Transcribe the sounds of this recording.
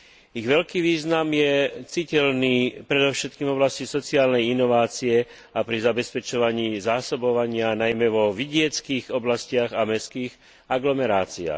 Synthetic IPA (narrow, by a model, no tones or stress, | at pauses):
iɣʋɛlkiːʋiːznamjɛt͡sicɛlniːpɾɛd̪ɔʊʃɛt̪̚kiːmvɔblascisɔt͡siaːlnɛjinɔʋaːt͡siɛ | apɾizabɛspɛt͡ʃɔʋaɲiːzaːsɔbɔʋaɲɪanajmɛʋɔʋiɟɪɛt͡skiːɣɔblascɪaɣamɛskiːɣ | aɡlɔmɛɾaːt͡sia̰ːx